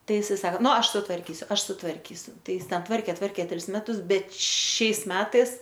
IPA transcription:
ˈtɐɪ ɪˈsɐɪ ˈsɑːkoː ˈnʊ ˈɐʃ sʊtʋɐrʲˈkʲiːsʲʊ ˈɐʃ sʊtʋɐrʲˈkʲiːsʲʊ ˈtɐɪ ˈjɪs ˈtʲɛn ˈtʋɐrʲkʲeː ˈtʋɐrʲkʲeː ˈtʲrʲɪs ˈmʲæːtʊs ˈbʲɛt ˈʃʲɛɪs ˈmʲæːtɐɪs

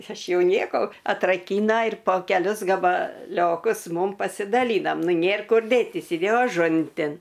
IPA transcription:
ˈɐʃ ˈjɛʊ ˈnʲiɛkoː ɐtrɐˈkʲiːnɐ ɪr poː kʲɛˈlʲʊs ɡɐbɐˈlʲoːkʊs ˈmʊm pɐsʲɪdɐˈlʲiːnɐm ˈnʊ ˈnʲeːr ˈkʊr ˈdʲeːtʲiːs ɪˈdʲeːjoː ɐˈʒʊnʲtʲɪn

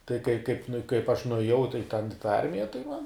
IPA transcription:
tɐɪ kɐɪ kɐɪp nʊ ɪ kɐɪp ɐʃ nʊeːˈjɛʊ tɐɪ tʲɛn ɪ tɑː ˈɐrʲmʲɪjɛ tɐɪ mɐn

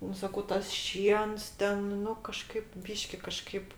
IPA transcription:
ˈnʊ sɐˈkɐʊ ˈtɐs ˈʃʲiɛns ˈtʲɛn ˈnʊ kɐˈʃkɐɪp ˈbʲiːʃʲkʲɪ kɐˈʃkɐɪp

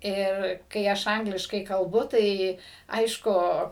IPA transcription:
ɪr kɐɪ ˈɐʃ ˈɐŋɡlʲɪʃkɐɪ kɐlˠbʊ ˈtɐɪ ˈɐɪʃkʊ

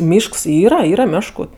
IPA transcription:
ˈmʲiːʃks ˈiːrɐ ˈiːrɐ ˈmʲæːʃkʊ

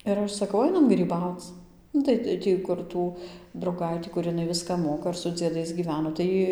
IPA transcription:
ɪr ˈɐʃ sɐˈkɐʊ ˈɐɪnɐm ɡrʲiːˈbɐʊt͡s ˈnʊ tɐɪ ˈtʲiː kʊr ˈtuː drɐʊˈɡɐɪtʲiː kʊr ɪˈnɐɪ ˈʋʲɪskɑː ˈmoːkɐ ɪr sʊ d͡zʲiɛˈdɐɪs ɡʲiːˈʋʲæːnoː tɐɪ ˈjiː

